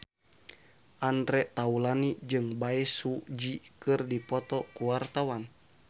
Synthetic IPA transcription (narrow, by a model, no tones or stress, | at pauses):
ʔandɾɛʔt̪aulanid͡ʒɨŋbaɛsud͡ʒikɨrdipɔt̪ɔkuwart̪awan